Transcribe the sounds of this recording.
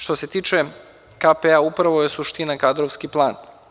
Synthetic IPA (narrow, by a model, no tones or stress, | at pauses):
ʃt̪o̞se̞t̪iːt͡ʃe̞ | kapeaupɾaʋo̞je̞suʃt̪inakad̪ɾoʋskiplˠaːn